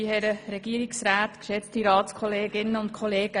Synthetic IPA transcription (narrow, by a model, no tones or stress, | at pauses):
ihɛɾəɾɛɡ̥iəɾɪksɾaːt̪kʃɛt͡st̪iɾɑːtskʰχɔleːɡɪnːəʊntkʰχɔleːɡ̥ə